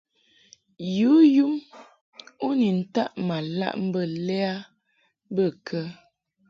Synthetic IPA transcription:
ju˨˦ju˦m | o˦ni˨n̩˨ta˦ʔma˨la̰˦ʔm̩˦bə˦˨lɛ˦a˦ | bə˦˨kʰə˦

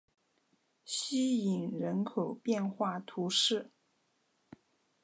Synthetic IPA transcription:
ɕi˥i˨˩ŋɻə˧˥nkʰo˨˩ʊpjɛ˥˧nxwa˥˩t̪ʰu˧˥ʂɻ̩˥˩

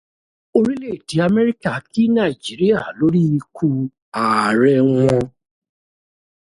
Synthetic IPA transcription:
o˧ɾi˦le˦˨ti˨˦a˧mɛ˦ɾi˦ka˨ki˦na˦˨i˨d͡ʒi˨˦ɾi˦a˨lo˨˦ɾi˦i˧kʰu˧˦ | a˨ɾɛ˧wɔ̃˧

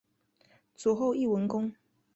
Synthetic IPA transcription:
t͡su˨˩xo˥˧ʊi˥˨wə˧˥nkʊ˥ŋ

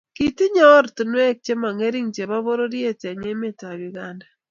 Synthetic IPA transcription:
ki˨ti˦ɲɔ˦ɾtu˨nwɛ˦k̚t͡ʃe˦ma˨ŋe˦ɾi˦ŋt͡ʃe˨ba˦βo˦ɾo˦ɾje˦te˨ɲe˦mɪ˦ta˨jʊ˨ɡa˦nda˨

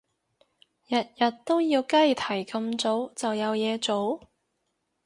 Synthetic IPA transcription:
jɐ˨t̚jɐ˨t̚t̪o˥wjiː˧wkɐ˥jt̪ʰɐ˨˩jkɐ˧mt͡so˨˥wt͡sɐ˨wjɐ˨˧wjɛː˨˧t͡so˨˥w

